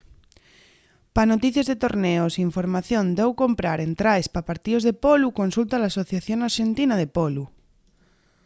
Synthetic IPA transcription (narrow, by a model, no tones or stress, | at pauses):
panot̪iθjazðet̪oɾneosiɱfoɾmaθjond̪ewkompɾaɾent̪ɾajspapaɾt̪iozðepolukonsult̪alaːso̞θjaθjoŋaɾʃent̪inaðepolu